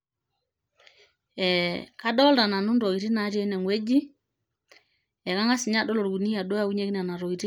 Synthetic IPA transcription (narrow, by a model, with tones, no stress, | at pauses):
ɛ˨a˦ɗɔ˦lda˨na˨nu˦ndɔ˨i˨ɾi˦na˨˦te˦nɛ˨ŋwe˦d͡ʒi˦ | ɛ˨ka˦ŋa˦si˨ɲa˦dɔ˦lɔ˨ɾɡu˨ni˦a˨ɗo˦ja˦u˦ɲe˦ki˦na˨na˨ɾɔ˨i˨ti˦